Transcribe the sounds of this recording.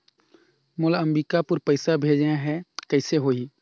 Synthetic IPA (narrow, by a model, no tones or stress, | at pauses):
mʊləmɾiːkapʊɾpəɪsabʱeːd͡ʒaɦɛkəɪseɦoːi